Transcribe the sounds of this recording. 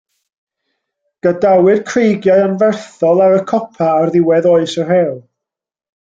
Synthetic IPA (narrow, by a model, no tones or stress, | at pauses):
ɡ̥ədawɨd̥kʰrejɡjaɨənvɛrθɔlˠaɾəkʰɔpʰaːrðɪwɛðoːɨsər̥ɛːlˠ